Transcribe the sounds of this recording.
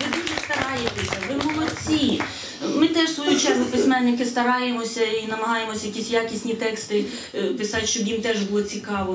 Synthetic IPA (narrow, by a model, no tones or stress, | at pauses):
ʋɪd̪uʒɛst̪ɐɾɑjet̪esʲɐʋɪbulˠɔt͡sʲi | mɪt̪ɛʃsʋɔjut͡ʃɛsʊpɪsʲmɛnːɪkɪst̪ɐɾɑjemɔsʲɐinɐmɐɦɑjemɔsʲɐjɐkʲisʲjakʲisʲnʲit̪ɛkst̪ɪ | pɪsɑtʲʃt͡ʃɔbjimt̪ɛʒbulˠɔt͡sʲikɑʋɔ